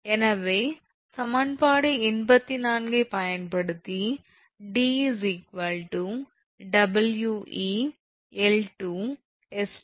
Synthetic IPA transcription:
enɐʋeː | sɐmɐɳpaːɽeinbɐt̪ːinaːnɡepɐjɐnpɐɽut̪i | ɖiːzikʋɐlʈu | ɖɐbɐljuːʔiː | elʈuː | es

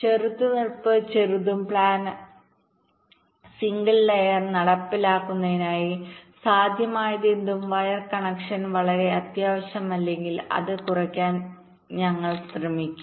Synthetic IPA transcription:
t͡ɕeɾut̪ːunirpːɨt͡ɕeɾuðumpɭaːn | siŋɡɨlːejɐrnɐɽɐpːilaːkːunːɐðinaːjisaːd̪ʱjɐmaːjɐðend̪umʋɐjɐrkɐɳɐkʂɐnʋɐɭɐɾe̞ɐt̪jaːʋɐɕjɐmɐlːe̞ŋɡilɐ̰ðɨkurɐkʲːaːn | ɲɐŋːɐɭsrɐmikʲːu̥m

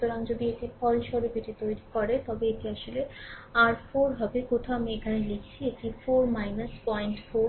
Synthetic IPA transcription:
ut̪oɾaŋd͡ʑod̪iek̚ʈipʰɔlʃɔɾupiʈit̪ojɾikɔɾet̪ɔbeeʈiaʃoleaɾfoɾɦɔbekoʈʰaamiekʰanelekʰt͡ɕʰiek̚ʈifoɾmajnɐspɔiɳʈfoɾ

